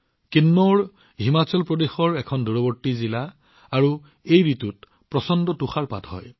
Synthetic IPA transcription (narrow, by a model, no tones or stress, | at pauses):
kinːɔɹ | ɦimat͡ɕɔlpɹɔdexɔɹɛkʰɔnduɹɔbɔɹtːizilaː | ɹu | ejɹitut̚ | pɹɔsɔndɔtuxaɹpa̰tɦɔ̰j